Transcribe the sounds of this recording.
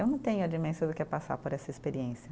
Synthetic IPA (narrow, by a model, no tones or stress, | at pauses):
ewnɐ̃w̃t̪ẽɲʊɐd͡ʒimẽsɐd̪ʊkɪɛpasa̰ɾpoɾɛsɐespeɾiẽsiɐ